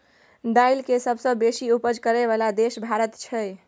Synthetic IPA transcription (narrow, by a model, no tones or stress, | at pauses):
d̪ailkesəbʱsə̃besiupəd͡ʒkəɾɛβalad̪esbʱaɾət̪t͡ʃʰəj